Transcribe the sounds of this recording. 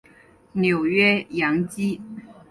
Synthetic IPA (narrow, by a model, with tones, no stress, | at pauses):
njo˨˩ʊɥɛ˥jɑ˧˥ŋt͡ɕi˥